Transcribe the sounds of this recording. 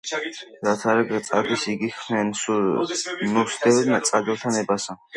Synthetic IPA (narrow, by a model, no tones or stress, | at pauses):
ɾat̪ʰaɾaɡt̪sʼa̰k̪ʰisiɡixnɛnsu | nusd̪ɛvnat̪sʼad̪ɛlˠt̪ʰanɛbasa